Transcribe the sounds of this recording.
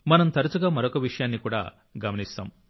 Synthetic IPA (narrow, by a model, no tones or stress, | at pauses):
mɐnɐmt̪ɐɾɐt͡ʃuɡaːmɐɾokɐʋiʂɐjaːnːikuːɽa̰ː | ɡɐmɐnist̪a̰ːm